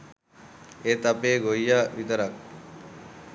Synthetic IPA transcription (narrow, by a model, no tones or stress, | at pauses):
et̪apeːɡojaʋit̪ɐɾak̚